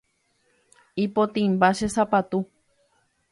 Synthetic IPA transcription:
ipot̪ĩmbaʃesapat̪u

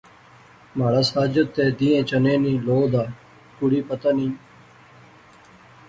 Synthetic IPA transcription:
maɽasaːd͡ʒət̪ːeːd̪iːẽːt͡ʃənẽːnĩːloːd̪aː | kuɽiːpət̪anĩː

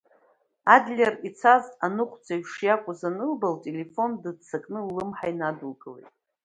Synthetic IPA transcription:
adlʲerit͡sʰazʼanɨχʷʰd͡zaɥʂjakʷʼazanɨlbaltʼe̞le̞fo̞ndɨdt͡sʰakʼnɨlɨmħainadulɡʼɨlejtʼ

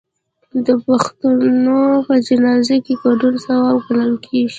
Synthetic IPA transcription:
d̪əpaxt̪anopəd͡ʒɪnɑzekeɡaɖunsawabɡalamkʰeʒi

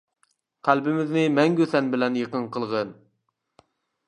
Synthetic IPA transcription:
qʰælbɪmɪznɪmɛŋɡʲøsɛnbɪlɛnjəqənqəlˠʁən

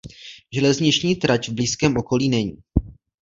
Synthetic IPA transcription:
ʒɛlɛzɲɪt͡ʃɲiːt̪ɾat͡ʃvbliːskɛːmʔo̞ko̞liːnɛɲiː

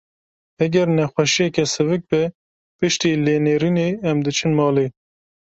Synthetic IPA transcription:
ɛɡʲɛɾnɛxwɛʃijɛkɛsɨvɨk̚bɛ | pɨʃt̪iːleːneːɾineːɛmd̪ɨt͡ʃʰɨnmɑːleː

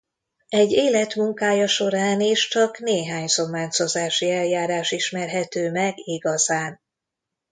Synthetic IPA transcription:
ɛɟːeːlɛt̪muŋkaːjɒʃo̞ɾaːneːʃt͡ʃɒkneːɦaːɲso̞mːaːt͡ʃo̞zaːʃiɛljaːɾaːʃiʃmɛrɦɛt̪øːmɛɡiɡɒzaːn

